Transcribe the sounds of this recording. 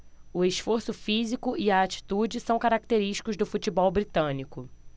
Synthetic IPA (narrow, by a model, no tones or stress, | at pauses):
ʊeʃfoɾsʊfizikʊiaːt͡ʃi̥t̪ud͡ʒɪsɐ̃w̃kaɾak̚t̪eɾiʃt͡ʃi̥kʊzd̪ʊfut͡ʃibɔwbɾit̪ɐ̃nikʊ